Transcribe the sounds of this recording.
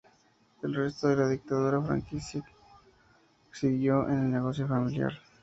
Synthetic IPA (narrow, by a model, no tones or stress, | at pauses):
elre̞st̪o̞ðe̞laðik̚t̪aðuɾafɾa̰ŋkisa | siðjo̞ʔḛne̞lne̞ɣ̞o̞sjo̞familja̰ɾ